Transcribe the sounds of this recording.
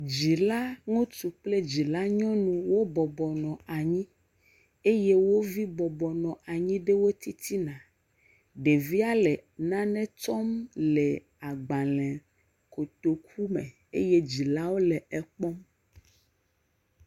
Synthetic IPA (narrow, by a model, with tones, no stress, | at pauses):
d͡ʑi˨la˦ŋũ˦t̪u˨k͡ple˦d͡ʑi˨la˦ɲɔ̃˦nũ˨wo˦bɔ˨bɔ˨nɔ̃˨a˨ɲĩ˦ | e˦je˦wo˦vi˦bɔ˨bɔ˨nɔ̃˨ʔa˨ɲĩ˦ɖe˦wo˦t̪i˦t̪ʰi˦nã˨ | ɖe˨vi˦a˦lɛ˨nã˦nɛ̃˦tɔ˦mlɛ˨ | a˨ɡ͡bã˨lɛ̃˨ | ko˨t̪o˨kʰu˦mḛ̃˨ | ḛ˦je˦d͡ʑi˨la˦wo˦lɛ˨ɛ˨k͡pɔ˦m